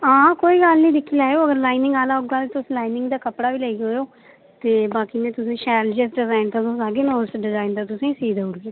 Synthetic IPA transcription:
ãːkoːiːɡəlnĩːd̪ɪkʰːiːlaːeoːəɡəɾlaːinɪ̃ŋɡaːlaːʊɡaːlːt̪ʊsːlaːinɪ̃ŋɡd̪aːkəpɽaːʋiːləiːɦoːoː | t̪eːbaːkiːnẽːt̪ʊsẽːʃɛːld͡ʒəsɖɪzaːɪnt̪at̪õsaːɡeːnoːsɖɪzaːɪnt̪at̪ʊsẽːsiːd̪ʊɽɡeː

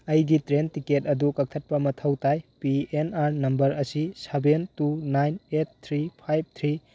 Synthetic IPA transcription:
ɐjɡitɾentiketɐdukɐk̚tʰɐt̚pɐmɐtʰɐwtʰajpienaɾnɐmbɐɾɐsisebentunajnet̚t̪ʰɾipʰajb̚t̪ʰɾi

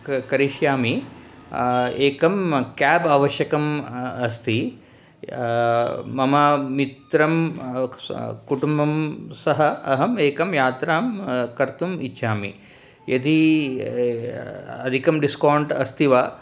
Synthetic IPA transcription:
kɐɾiʃjaːmi | eːkɐmkaːbaːʋɐʃjɐkɐmɐst̪ʰi | mɐmɐmit̪ɾɐm | kuʈumbɐmsɐɦɐɐɦɐmeːkɐmjaːt̪ɾaːmkɐɾt̪umitːʃʰaːmḭ | jɐd̪ʱi | ɐd̪ʱikɐmɖiskoːɳʈɐst̪iʋa

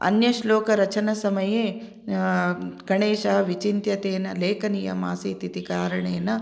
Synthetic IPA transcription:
ɐ̰njɐʃloːkɐɾɐt͡ʃɐnɐsɐmɐjeː | ɡɐɳeːʃɐɦɐʋit͡ʃint̪jɐt̪eːnɐleːkɐnijɐ̰ma̰ːsiːt̪it̪ikaːɾɐɳeːnɐ

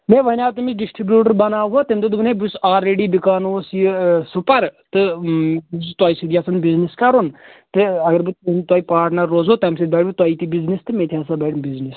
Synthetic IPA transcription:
meːʋɐnʲaːt̪ɨmisɖisʈɾibjuːʈəɾbɐnaːʋɦot̪emt̪ɨt̪ɨbɨnebusaːɾeːɖiːbikaːnosjɨsupɐɾt̪ɨ | t̪aːisid̪ijasʰɐnbizniskɐɾunt̪ɨɐɡɐɾbɨt̪nt̪waːipaːɾʈnɐɾːoːzɦot̪ɐmsid̪bɛːʈbɨt̪aːit̪ibiznist̪ɨmeːt̪ʰiaːsaːbɛʈmbiznis

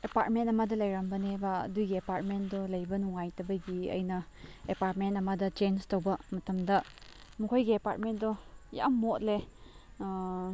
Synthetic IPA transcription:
epaɾtmentɐmɐdɐlɐjɾambɐnebɐ̰dujɡiepaɾt̚mendolɐjbɐnuŋajtɐbɐɡiɐ̰jnɐepaɾt̚mentɐmɐdɐt͡ʃenstowbɐmɐtɐmdɐ | mukʰojɡiepa̰ɾt̚mentdɔja̰mːotle

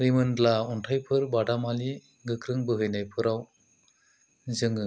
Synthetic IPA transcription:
ɾimɯndlauntʰajpʰɯɾbadamali | ɡɯkɾɯŋbɯɦɯjnajpʰɯɾaw | zɯŋɯ

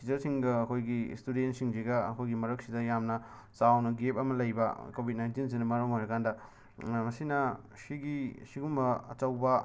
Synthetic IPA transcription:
id͡ʒɐɾsiŋɡɐːkʰojɡḭstudentsiŋziɡɐɐkʰojɡimɐɾɐk̚sidɐjamnɐ | sawnɐɡep̚ɐmɐlɐjbɐkobʱit̚najntins̬inɐmɐɾomajɾɐkandɐ | mɐsinɐ | siɡisiɡumbɐɐt͡ʃɐwbɐ

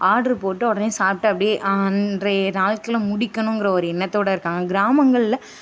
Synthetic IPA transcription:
aːɽɐɾɯpoːʈːɯɔɽɐnesaːp̚ʈːɯɐpːɐɽɪeʔɐndrɐnaːlkɐlmʊɽɪkːɐnʊ̃ŋɡɪɾɐɔɾɯɪnːɐt̪ːoːɽɐɪɾɯkːaːŋɡɐɡɪɾaːmɐŋɡɐɭɪlɐ

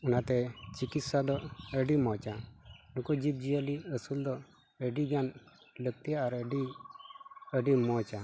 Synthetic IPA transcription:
unat̪ɛt͡ʃikit̪sad̪ɔəɖimɔt͡ʃanukud͡ʒib̚d͡ʒijəliəsuld̪ɔ | əɖiɡan | lək̚t̪ijaːɾəɖi | əɖimɔt͡ʃa

